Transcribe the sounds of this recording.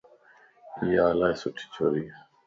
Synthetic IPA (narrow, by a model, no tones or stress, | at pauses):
ijaːlaesʊʈʰi̥t͡ɕʰoːɾiː